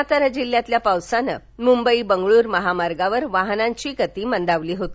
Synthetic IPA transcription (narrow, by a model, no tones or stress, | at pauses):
at̪əɾəd͡ʑilːjãt̪ljapawsanə̰ | mumbəibəŋɡɭuːɾməɦamaɾɡaʋəɾʋaɦnãɲt͡ɕiːkət̪iːmənd̪aʋliːɦot̪i̥